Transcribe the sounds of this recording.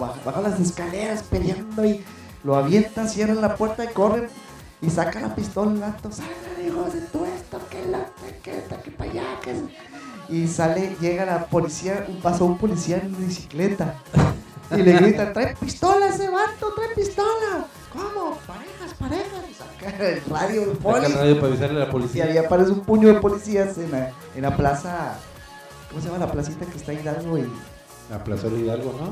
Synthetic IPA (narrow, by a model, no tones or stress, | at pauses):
baxbaxolaseskaleɾaspeðjand̪oi | loaβjent̪ansjerenlapweɾt̪aikoren | isakala̰pist̪olaβant̪osalanixoset̪uest̪okelot̪eket̪akepaja̰kḛn | isaleʝeɣalapolisiaʔumpasaumpolisiaenβisiklet̪a | ileɣɾit̪at̪ɾajpist̪o̞laseβant̪ot̪ɾajpist̪ola | komopaɾexaspaɾexassakaelraðjolpoliraðjopaɾaβisaɾlelapolisiaβiapaɾes̬umpuɲo̞ðepo̞lisiasena | enlaplasa | komosejamalaplasit̪akest̪aiðandoi | la̰plasaðialɣono